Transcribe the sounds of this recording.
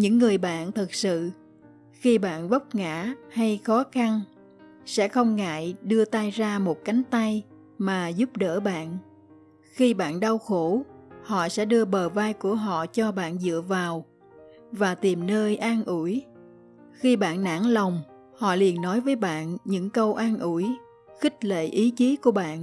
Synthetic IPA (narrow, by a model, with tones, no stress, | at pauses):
ɲɨ̰˧˥ŋːɨ˨˩əjɓa̰ː˧˨nt̪ʰɨ˨˩k̚sɨ̰˧˨ | xi˧ɓa̰ː˧˨nvə˦˥wk͡p̚ŋa̰ː˧˥˨ha˧jxɔ˨˦xa˧n | sɛ̰˧˥xə˧wŋ͡mŋa̰ː˧˨jɗɨ˧ət̪a˧jzaː˧mo˨˩t̚ka˨˦jŋ̟t̪a˧j | maː˨˩zu˦˥p̚ɗə̰ː˧˥ɓa̰ː˧˨n | xi˧ɓa̰ː˧˨nɗa˧wxo˧˩hɔ̰˧˨sɛ̰˧˥ɗɨ˧əɓəː˨˩vaː˧jku˧˩əɦɔ̰˧˨t͡ɕɔ˧ɓa̰ː˧˨nzɨ̰˧˨əvaː˨˩w | vaː˨˩t̪i˨˩mnəː˧jʔaː˧nʔu˧˩j | xi˧ɓa̰ː˧˨nːa̰ː˧˥ŋlə˨˩wŋ͡m | hɔ̰˧˨li˨˩ənːɔ˨˦jvəː˨˦jɓa̰ː˧˨nɲɨ̰˧˥ŋkə˧wʔaː˧nʔu˧˩j | xï˦˥k̟̚lḛ˧˨ʔi˨˦t͡ɕi˨˦ku˧˩əɓa̰ː˧˨n